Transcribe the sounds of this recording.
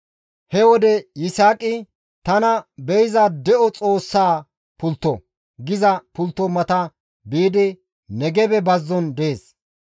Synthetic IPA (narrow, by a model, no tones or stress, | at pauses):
hɛwɔd̪ɛjɪsaːkʼːɪ | t̪ɐnɐbɛjzɐd̪ɛʔɔt͡sʼo̞ːsːaː | pʊlt̪ːɔ̰ | ɡɪzɐpʊlt̪ːɔmɐt̪ɐ | biːd̪ɪ | nɛɡɛbɛbɐzːɔnd̪eːs